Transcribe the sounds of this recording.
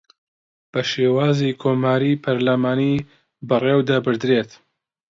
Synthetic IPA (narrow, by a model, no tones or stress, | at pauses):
b̥ɐʃeːwaːzikʰomaːɾipʰɐɾlamaːni | bɐreːwd̪abɨɾd̪ɾeːt̪